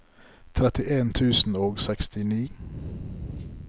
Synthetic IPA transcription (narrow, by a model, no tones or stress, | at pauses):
t̪ʰɾɛt̪ɪʔeːnt̪ʰʉːsn̩oːɡsɛkst̪ɪniː